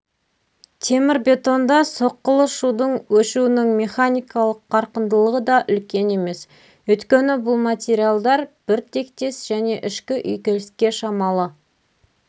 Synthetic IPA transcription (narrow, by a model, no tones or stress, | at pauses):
t̪ʰe̞mɪɾbe̞t̪o̞nd̪ɑso̞qːəlˠəʃud̪əɴwɵʃuɪnɪŋmʲe̞χanʲijkɑlˠəqʰːɑɾqənd̪əlˠəʁəd̪ɑʔʏlkʲe̞ne̞me̞s | wɵjt̪kʲe̞nɪbʊlˠmat̪ʲeɾʲijalˠd̪ɑɾb̥ɪɾt̪ʰe̞kt̪e̞sʒ̥æne̞ʔɪʃkʲɪʔʏjkʲelɪskʲe̞ʃɑmɑlˠə